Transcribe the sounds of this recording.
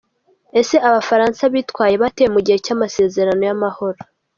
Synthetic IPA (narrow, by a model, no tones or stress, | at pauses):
ese̞ʔaβafaɾaːnsaβiːtkwaːje̞βatejemuɟihe̞camase̞ːzeɾano̞jamaho̞ɾo